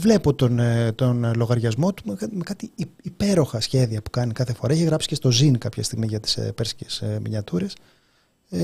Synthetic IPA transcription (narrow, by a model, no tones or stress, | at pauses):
vle̞po̞t̪ont̪onlo̞ɣɐɾʝɐzmo̞t̪u̥mkmekɐt̪iːpe̞ɾo̞xɐsçe̞ðiɐpu̥kɐnikɐθe̞fo̞ɾɐiçeɣɾɐpscest̪ozinkɐpçɐ̰st̪iɣmiʝɐt̪i̥speɾsi̥cesmḭɲɐt̪uɾe̞s